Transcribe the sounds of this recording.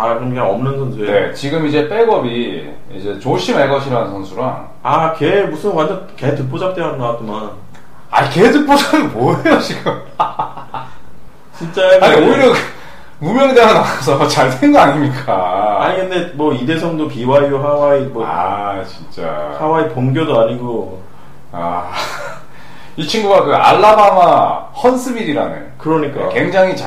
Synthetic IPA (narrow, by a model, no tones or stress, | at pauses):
akɯɾomɡeʌmnɯnsʰʌnsʰuenet͡ɕiɡɯmid͡ʑe̞p͈e̞ɡʌbi | ḭd͡ʑe̞t͡ɕoɕʰimaɭɡʌɕʰiɾanɯnsʰʌnsʰuɾaŋ | akemusʰɯnwant͡ɕʰʌnke̞tɯk̚p͈od͡ʑap̚t͈eɦadonawat̚t͡ɕ͈iman | a̰iketɯk̚p͈od͡ʑaɡɯmʌejot͡ɕiɡɯm | t͡ɕint͡ɕ͈aeaɲioiɾjʌ | mumjʌnedeɡanawas̬ʰʌt͡ɕaɭsʰweŋɡoaɲimɲik͈aa̰ɲikɯnde̞mwʌide̞sʰʌŋdopiwaioɦawaimʌa̰t͡ɕint͡ɕ͈a̰awaipoŋɡjodoaɲiɡo | a̰ | it͡ɕʰiŋɡuɡakɯa̰ɭːamamahʌnsʰɯmiɾiɾa̰nɯ̰nkɯɾʌɲik͈akwe̞ŋd͡ʑaŋɦit͡ɕa